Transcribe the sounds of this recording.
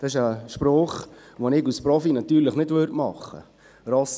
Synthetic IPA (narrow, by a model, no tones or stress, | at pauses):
d̥ɑɪʃəʃpɾoːχ | ʋonɪɡuspɾɔfinɑt̪ːyːɾləχnɪdʋøɾtmɑ̰χːə̰ | rɔs